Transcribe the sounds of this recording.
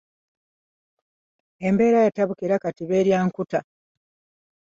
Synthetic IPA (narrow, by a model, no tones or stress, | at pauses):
e̞mbe̞ːɾajataβukiɾakatiβe̞ːɾjaːŋkuta